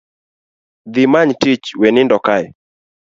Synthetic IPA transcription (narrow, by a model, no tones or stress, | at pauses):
ðimaɲtit͡ʃwɛnindɔkaj